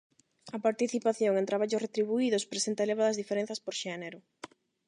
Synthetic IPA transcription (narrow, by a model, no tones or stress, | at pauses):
ɐpaɾt̪iθipaθjoŋent̪ɾaβ̞aʎʊsret̪ɾiβuiðʊspɾesent̪aeleβaðɐzðifeɾẽn̟θɐspoɾʃeneɾʊ